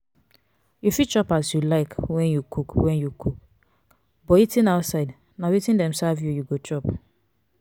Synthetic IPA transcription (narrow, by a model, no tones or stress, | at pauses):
jufit͡ʃɔpasjulaɪkwɛ̃njukʰukwɛ̃njukʰuk | bɔitĩnaʊtsaɪd | nawitĩndɛ̃msavjujuɡot͡ʃɔp